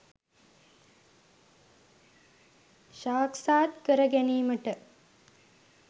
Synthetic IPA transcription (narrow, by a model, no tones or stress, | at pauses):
ʃaːksaːt̪kəɾəɡæniːməʈə